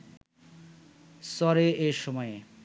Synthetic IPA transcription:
sɔɾeeʃɔmɔe

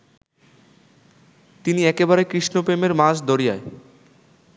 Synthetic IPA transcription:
t̪iniɛkebaɾekɾiʃnopɾemeɾmaʃd̪oɾija̰e

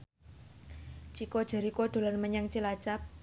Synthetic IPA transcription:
t͡ʃikod̥ʒ̥a̤ɾikod̪̥o̤lanməɲaŋt͡ʃilat͡ʃap̚

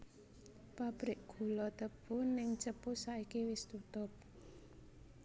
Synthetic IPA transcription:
pab̥ɾɪʔ̚ɡ̥ṳlɔt̪əb̥ʊnɪŋt͡ʃəpʊsaʔikiwɪst̪ut̪ʊp̚

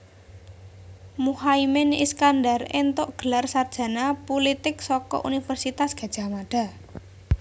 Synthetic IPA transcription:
muhaimɪniskandarḛnt̪ʊʔɡ̥ə̤larsard̥ʒ̥a̤napulit̪ɪksɔkɔ̰ʔṵnifərsit̪asɡ̥a̤̥ʒ̥a̤maɖ̥a̤

